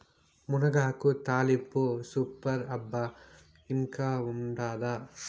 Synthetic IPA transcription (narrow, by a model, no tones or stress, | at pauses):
munɐɡaːkut̪aːlipːusupɐɾɐbːɐ | iŋkaːuɳɖaːd̪ɐ